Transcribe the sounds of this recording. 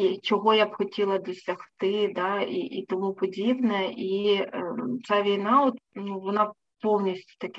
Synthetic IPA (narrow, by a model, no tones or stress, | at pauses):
it͡ʃɔɣɔjapxɐtʲilˠɐd̪ɔsʲɐxt̪ɪd̪aiʔːt̪ɔmupɔd͡zʲibnɐi | t̪saʋʲijnaɔt̪nuʋɔna | pɔwnʲisʲtʲʊ̥t̪ɐkʲi